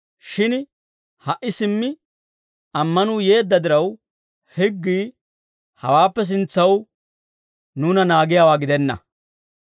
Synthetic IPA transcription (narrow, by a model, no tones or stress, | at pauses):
ʃɪn | hɐʔːɪsɪmːɪ | ɐmːɐnuːje̞ːd̪ːɐd̪ɪɾɐw | hɪɡːiː | hɐ̰waːpːɛs̬ɪnt͡sːɐw | nuːnɐnaːɡɪjaːwaːɡɪd̪ɛnːɐ̰